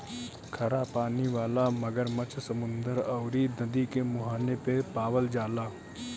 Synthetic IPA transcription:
kʰɐɾapaːniʋaːlamɐɡəɾmət͡ʃʰsɐmʊ̃nd̪əɾɐʊɾinɐd̪ikemʊɦaːnepepaːʋəld͡ʒaːlaː

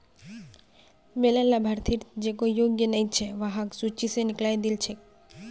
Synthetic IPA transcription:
melalːabʱaɾt̪ʰiɾd͡ʑekojjoɡjenejt͡ɕʰeʋaɦaksut͡ʃiseniklajd̪ilt͡ɕʰe

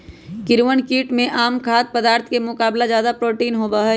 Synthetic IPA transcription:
kɪɾʋənkiːʈmẽʔaːmkʰaːt̪̚pəd̪aːɾt̪ʰkemʊkaːblazjaːd̪apɾoːʈiːnɦobaɦ

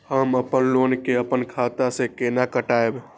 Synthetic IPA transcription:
həməpənlonkeəpənkʰat̪asẽkenakəʈaeb

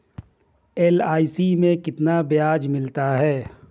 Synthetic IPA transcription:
eːlaːisimẽkɪt̪nabjaːd͡ʒmɪlt̪aɦɛː

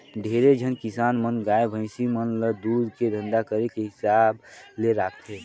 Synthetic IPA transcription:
ɖʱeɾed͡ʒʱənkɪsaːnmənɡaːebʱə̃ɪ̃simənləd̪ud̪ked̪ʱə̃nd̪akəɾekeɦɪsaːbleɾaːkt̪ʰɦɛ

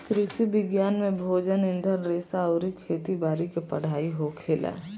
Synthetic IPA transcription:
k̪ɾɪsibɪɡjaːnmẽbʱoːd͡ʒənɪ̃nd̪ʱəɾːeːsaʊɾikʰeːt̪ibaːɾikepɐɽ̤aːiɦokʰeːlɛ̰ː

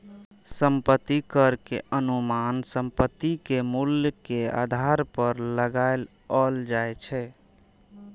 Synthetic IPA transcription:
səmpət̪ːikəɾkḛənumansəmpət̪ːikemuljəkea̰d̪ʱaɾpəɾləɡael | əld͡ʒaet͡ʃʰɛ

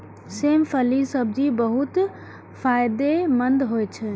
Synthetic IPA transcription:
sempʰəlisəb̚d͡ʒibəɦut̪ | pʰajd̪emənd̪ɦojt͡ʃʰɛ

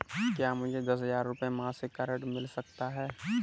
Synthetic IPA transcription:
kjaːmʊd͡ʒʱed̪ɐs̬ɦɐzaːɾːʊpjemãsekɛːɾə̃ʈmɪlsɐkt̪aɦɛː

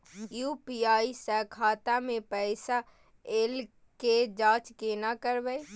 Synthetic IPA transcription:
juːpiaːisəkʰaːt̪amẽpɛɪsa | eːl | ked͡ʒãːt͡ʃkenakəɾbɛj

